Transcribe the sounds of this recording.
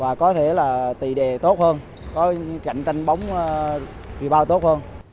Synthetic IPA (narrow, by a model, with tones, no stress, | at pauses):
vaː˨˩kɔ˨˦t̪ʰe˧˩laː˨˩t̪ḭ˧˨˩ɗe˨˩t̪o˦˥t̚həː˧n | kɔ˨˦ka̰˧˨jŋt͡ɕa˧jŋ̟ɓə˨˦wŋ͡m | vḭ˨˧˨ɓaː˧wt̪o˦˥t̚həː˧n